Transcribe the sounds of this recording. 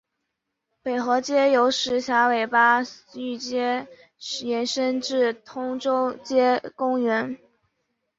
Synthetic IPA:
pe˨˩ɪxɤ˧˥t͡ɕjɛ˥jo˧˥ʊʂɻ̩˧˥ɕja˧˥we˨˩ɪpa˥y˥˩t͡ɕjɛ˥ | jɛ˧˥nʂə˥nʈ͡ʂɻ̩˥˩t̪ʰʊ˥ŋʈ͡ʂo˥ʊt͡ɕjɛ˥kʊ˥ŋɥɛ˧˥n

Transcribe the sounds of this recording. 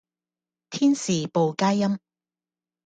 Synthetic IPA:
t̪ʰiː˥nsiː˨˩po˨wkaː˥jːɐ˥m

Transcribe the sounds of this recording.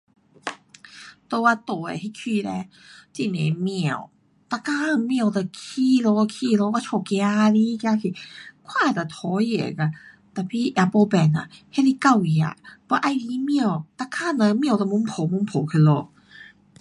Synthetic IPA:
t̪o˧˦wa˧t̪o̰˧˨˧hi˧˦kʰiː˧˨lɛ˧˦ | ti˧˨ne˨mi˧˨ə˨w | t̪a˧kaː˧˨mi˧˨ə˨wt̪a˧˩kʰiː˧˨lo˧kʰiː˧˨lo˧˦ka˧t͡ʃʰɔ˧˩kɛ˧a˧li˧˦˧kja˧kʰi˧˨kʰwaː˧˨t̪a˨˩t̪ʰɔ˧˦jḛ˨ka˧˨ | t̪ɛ˧˩pʰiː˧˨ʔa˧˩po˧bɛ˨˩˨na˧˨he˧˥˨li˧˦ka˧˨wi˨a̰˧˨bɔ˧˦ʔa˧˨jli˧˦mi˧˨ə˨wt̪a˧kaː˧˥˨nə˧˦mi˧˨wt̪a˧˨mu˧˦mpʰo˨˦mu˧˦mpʰo˨˦kʰɯ˧˩˨lo˧˦

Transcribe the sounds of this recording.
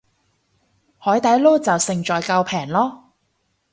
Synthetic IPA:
hɔː˨˥jt̪ɐ˨˥jloː˥t͡sɐ˨wsɪ˨˩ŋt͡ʃɔː˨jkɐ˧wpʰɛː˨˩ŋlɔː˥

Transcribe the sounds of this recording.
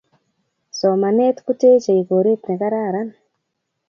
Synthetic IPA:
sɔ˨ma˨ne˦tku˦te˦t͡ʃe˨i˨ko˨ɾe˦tne˨ka˦ɾa˦˨ɾa˦n

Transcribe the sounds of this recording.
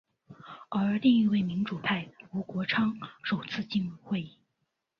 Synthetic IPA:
ə˞˧˥li˥˧ŋi˥˧we˥˩ɪmi˧˥nʈ͡ʂu˨˩pʰa˥˩ɪu˧˥kwɔ˧˥ʈ͡ʂʰɑ˥ŋʂo˨˩ʊt͡sʰɹ̩˥˧t͡ɕi˥˧nu˥˧xwe˥˧ɪi˥˩

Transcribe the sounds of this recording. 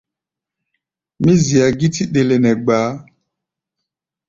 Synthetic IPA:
mĩ˦zi˨a˨ɡi˦ti˦ɗe˨le˨nɛ˨ɡ͡baː˨˦

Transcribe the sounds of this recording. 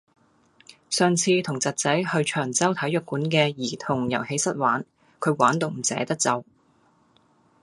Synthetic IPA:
sœː˨ŋt͡sʰiː˧t̪ʰʊ˨˩ŋt͡sɐ˨t̚t͡sɐ˨˥jhɵ˧ɥt͡ʃʰœː˨˩ŋt͡sɐ˥wt̪ʰɐ˨˥jœ˨k̚ːuː˨˥nkɛː˧jiː˨˩t̪ʰʊ˨˩ŋjɐ˨˩whe˨˥jsɐ˥t̚waː˨˥n | kʰɵ˨˧ɥwaː˨˥nt̪o˧wm̩˨˩sɛ̰ː˨˥t̪ɐ˥k̚t͡sɐ˨w

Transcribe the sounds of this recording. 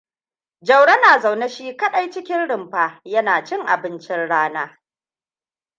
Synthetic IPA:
d͡ʒɐ˨wɽɐ˦naː˨za˨wne˦ʃiː˦kɐ˦ɗa˦˨jt͡ʃɪ˦kʲɪ˦nɽɪ˨mɸaː˦jɐ˦naː˨t͡ʃɪ˦ŋʔa̰˨bɪ˦nt͡ʃɪ˦nɽaː˦naː˦

